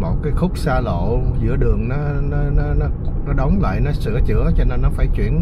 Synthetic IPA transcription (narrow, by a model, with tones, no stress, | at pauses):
mo̰˨˩t̚kaː˨˦jxʊ˦˥k͡p̚saː˧lo̰˧˨zɨ̰˧˥əɗɨ˨˩əŋnɔ˨˦nɔ˨˦nɔ˨˦nɔ˨˦nɔ˨˦ɗə˨˦wŋ͡mla̰ː˧˨jnɔ˨˦sɨ̰˧˩ət͡ɕɨ̰˧˥˩ət͡ɕɔ˧ne˧nːɔ˨˦faː˧˩jt͡ɕwḭ˧˩˨ən